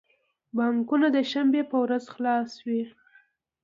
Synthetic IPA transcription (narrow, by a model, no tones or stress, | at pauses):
bɑŋkunad̪əʃambepəwɾazxlɑswi